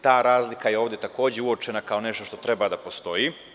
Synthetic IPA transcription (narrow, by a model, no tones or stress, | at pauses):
t̪aːɾaːzlikajeoːʋd̪je̞t̪ako̞ːd͡ʑeuot͡ʃe̞nakao̞ne̞ʃt̪o̞ʃt̪o̞t̪ɾe̞bad̪apo̞st̪o̞ji